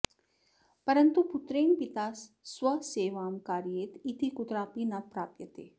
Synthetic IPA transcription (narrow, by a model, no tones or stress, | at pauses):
pɐɾənt̪upʊt̪ɾeːnpɪt̪aːssʋɐseːʋaːmkaːɾijeːt̪it̪ʰikʊt̪ɾaːpinapɾaːpjət̪ḛː